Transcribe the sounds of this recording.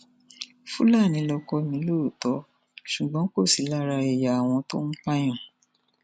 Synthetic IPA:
fu˦la˦˨nĩ˨˧˦lɔ˧kɔ˧mĩ˨˦lo˦o˨tɔ˨˧˦ | ʃu˨ɡ͡bɔ̃˨˦ko˦˨si˨˦la˦ɾa˧e˨ja˨a˨w̃ɔ̃˧to˦n̩˦k͡pa˦j̃ɔ̃˦˨

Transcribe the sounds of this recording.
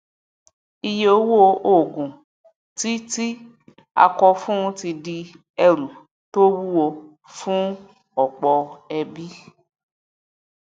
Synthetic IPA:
i˧je˦o˧wu˦o˧ʔo˦˨ɡũ˨ | ti˦ti˦ | a̰˧kɔ˧fũ˦ti˧di˧ | ɛ˧ɾu˨ | to˦wu˦wo˧ | fũ˦ | ɔ˨k͡pɔ˧ɛ˧bi˦

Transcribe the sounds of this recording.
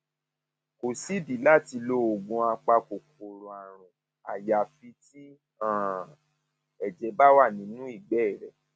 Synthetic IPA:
ko˨si˦di˨˦la˦˨ti˧lo˧˦o˨ɡũ˧a˧k͡pa˧ko˨ko˨ɾo˨a˨ɾ̃ũ˨ | a̰˨ja˨fi˧ti˦ | ã˦˨ | ɛ˨d͡ʒɛ˧˦ba˦wa˦˨nĩ˨˦nũ˦i˦˨ɡ͡bɛ˦˨ɾɛ˨

